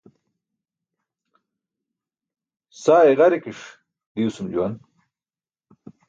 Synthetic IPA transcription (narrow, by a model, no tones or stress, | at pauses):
saːeʁaɾikiʂ | d̪iusumd͡ʑuwan